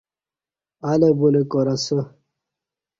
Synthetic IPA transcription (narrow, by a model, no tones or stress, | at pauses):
alebulekoɾasə